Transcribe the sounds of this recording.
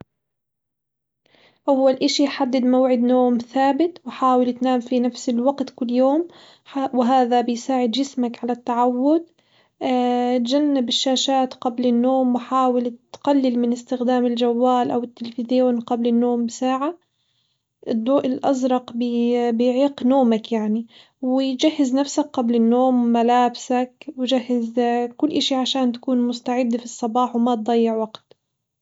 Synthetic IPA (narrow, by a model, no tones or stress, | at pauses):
ʔawːalʔɪʃiħad̪ːɪd̪mawʕɪd̪noːmθaːbɪt̪wɪħaːwɪlt̪naːmfinafsɪlwaqt̪kʊlːjoːm | wɪɦaːðabɪjsaːʕɪd̪d͡ʒɪsmakʕalat̪ːaʕawːʊd̪̚ | t̪d͡ʒanːɪbɪʃːaːʃaːt̪qablɪnːoːmwɪħaːwɪlt̪qalːɪlmɪnɪst̪ɪxd̪aːmɪld͡ʒawːaːlʔawɪt̪ːɪlfɪðɪjoːnqablɪnːoːmbɪsaːʕa | ʔɪd̪ˤːuːʔɪlʔɑzɾˤɑqbbɪjʕiːqnoːmakjaʕni | wɪd͡ʒahːɪznafsak̚qablɪnːoːmːalaːbsakwɪd͡ʒahːɪzkʊlːʔaʃiʕaʃaːnt̪ḁkuːnmʊst̪aʕɪd̪ːfisˤːɑbɑːħwmat̪̚d̪ˤɑjːɪʕwaɡt̪